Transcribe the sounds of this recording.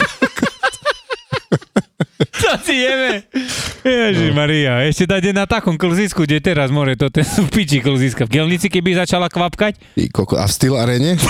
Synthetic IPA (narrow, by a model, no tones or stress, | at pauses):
sasijɛmɛ | jaʒɛmaɾiaɛʃcɛd̪aɟɛnat̪akɔmkl̩ziskuɟɛt̪ɛɾazmʊɔʒɛt̪ɔt̪ɛpit͡ʃikl̩ziskavɡɪɛlɲit͡sikɛbizat͡ʃalakʋapkac | ḭkɔkɔ̰a̰fst̪ilaɾɛɲɛ